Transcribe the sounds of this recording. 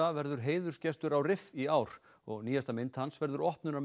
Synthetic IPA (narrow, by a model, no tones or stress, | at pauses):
avɛɾðʏɾ̥ɦeːjðʏɾ̥scɛst̪ʏɾawrɪfiaːwɾ̥ | ɔ̰ɣniːjast̪amɪnt̪hansvɛɾðʏɾɔhpnʏna